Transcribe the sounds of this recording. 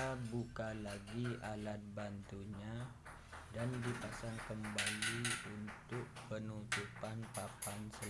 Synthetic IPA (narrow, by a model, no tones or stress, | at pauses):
abukalaɡiʔalat̪̚bant̪uɲa | dandipasaŋkəmbaliunt̪ʊk̚pənut̪upanpapansəl